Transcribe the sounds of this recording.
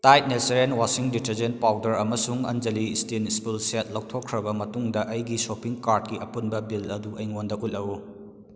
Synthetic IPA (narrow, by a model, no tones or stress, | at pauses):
tajt̚neseɾenwasiŋditɐɾd͡ʒent̚pawdɐɾɐmɐsuŋɐ̰nd͡ʒɐlistinspulset̚lɐw̚tʰokʰːɾɐbɐmɐtuŋdɐʔɐjɡisopiŋkaɾd̚kiʔɐpunbɐbilɐduʔɐjŋondɐʔulɐwu